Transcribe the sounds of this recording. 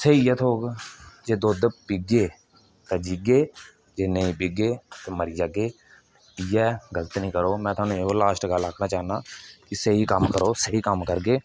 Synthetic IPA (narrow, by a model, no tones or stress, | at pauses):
seijɛːt̪ʰoːɡd͡ʒeːd̪oːd̪piɡeː | t̪ɛːd͡ʒiɡeː | d͡ʒeːnəĩːpɪɡeːt̪eːməɾiːd͡ʒaːɡeː | ɪjɛːɡələt̪ːnĩːkəɾoːmɛ̃ːt̪ʰʊaːnũːeɦoːlaːʃʈɡaːlakʰnaːt͡ʃaːənaːkɪsəɦiːkəmkəɾoːsəɦiːkəmkəɾɡeː